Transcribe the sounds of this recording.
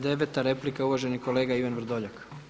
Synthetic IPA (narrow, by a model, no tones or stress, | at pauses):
d̪eʋet̪aɾe̞plikauʋaʒe̞nikoleːɡaiʋanʋr̩d̪oʎak